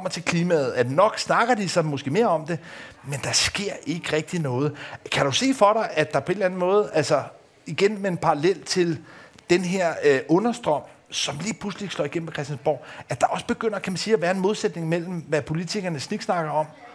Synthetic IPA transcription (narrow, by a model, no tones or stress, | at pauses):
ɒ̽m̰ɐt͡sʰe̝lkʰliːmɛð̞̩ˠæd̥nɒ̽ɡ̥snɑ̈ɡ̥ɐd̥isɑ̈mosɡ̥e̝̰ːme̝ːɐɒ̽md̥e̝mend̥ɑ̈sɡ̥e̝ɐ̰e̝ɡ̥əʁɛɡ̥̚d̥inɔ̽ːð̞̩ˠkʰæɾ̥use̝̰ːfɒ̽ɾɑ̈ɪʔæd̥ɑ̈pʰɒ̽e̝dlæn̩mɔ̽ːð̞̩ˠælsɐ | iɡ̥enmeenpʰɑ̈ʁɑlel̰t͡sʰe̝ld̥enɦeɐ̰ɔ̽nɐsd̥ʁɒ̽m̰ | sɒ̽mliːpʰlusli̥slɒ̰ːiɡ̥en̰m̩ʰekʰʁɛsd̥ænsb̥ɒ̰æd̥ɑ̈ʔɒ̽sə̥b̥e̝ɡ̥øn̰ɐkʰæmænsiːæʋæːɐe̝nmo̝ð̞ˠsed̥ne̝ŋmel̰m̩ʋæpʰo̝lit͡sʰiɡ̥ɐnəsniɡ̥snɑ̈ɡ̥ɐɒ̽m̰